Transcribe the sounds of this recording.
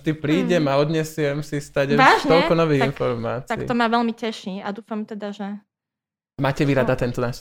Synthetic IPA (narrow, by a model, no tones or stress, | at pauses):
d̪ipɾiːɟɛmaɔd̪ɲɛsɪɛmsist̪aɟaʒt̪ɔlkɔnɔʋiɣinfɔɾmaːt͡s̪aḭḭːt̪ɔmaʋɛlmicɛʃiːad̪uːfamt̪ɛd̪aʒɛ | maːcɛʋiɾad̪at̪ɛnt̪ɔnaːʃ